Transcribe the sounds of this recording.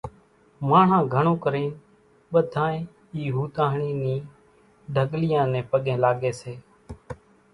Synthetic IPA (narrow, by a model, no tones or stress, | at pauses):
maːɳ̤ãːɡʱəɳõːkəɾiːn | ɓəd̪ʱãːẽː | iːɦuːt̪aːɦɳiːnĩː | ɖʱəɠlɪjãːnẽːpəɠẽːlaːɠeːseː